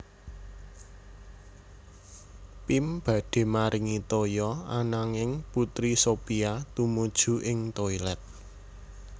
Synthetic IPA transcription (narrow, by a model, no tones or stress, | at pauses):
pimb̥ä̤ɖ̥e̤maɾʔɪŋit̪ojɔanaŋɪŋput̪ɾisopiat̪umud̥ʒ̥ṳʔɪŋt̪oilɛt̪̚